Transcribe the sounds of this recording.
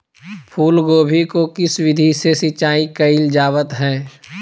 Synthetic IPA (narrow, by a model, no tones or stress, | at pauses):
pʰuːlɡoːbʱikokɪswɪd̪ʱisesɪt͡ʃaːikəɪld͡ʒaːʋət̪ɦɛ̃ː